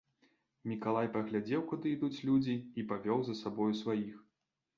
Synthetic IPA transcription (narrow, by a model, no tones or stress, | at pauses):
mʲikalˠajpɐɣlʲad͡zʲɛwkud̪ɨid̪ut͡sʲlʲud͡zʲiːpavʲɔwzɐsabɔjusvajix